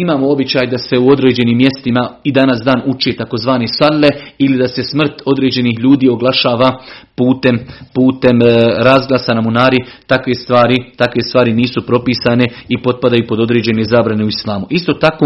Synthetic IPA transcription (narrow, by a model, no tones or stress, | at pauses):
imaːmoo̞bit͡ɕaːjd̪ase̞uo̞d̪ɾe̞ːd͡ʑe̞niːmːje̞st̪imaid̪anasd̪aːnut͡ʃet̪ako̞zʋaːnesaɾle̞ilid̪ase̞smr̩t̪o̞d̪ɾe̞ːd͡ʑe̞nihʎuːd̪iːo̞ɡlˠaʃaːʋapuːt̪empuːt̪e̞mɾazɡlˠaːsanamunaːɾit̪akʋe̞st̪ʋaːɾit̪akʋe̞st̪ʋaːɾiniːsupɾo̞piːsane̞ipo̞d̪̚pad̪ajupo̞d̪o̞d̪ɾe̞ːd͡ʑe̞ne̞zaːbɾane̞uislˠaːmuʔist̪o̞t̪ako